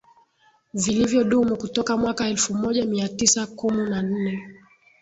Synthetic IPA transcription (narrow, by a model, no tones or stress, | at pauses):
vilivjɔɗumukutɔkamwakaɛlfumɔʄamiatisakuminan̩nɛ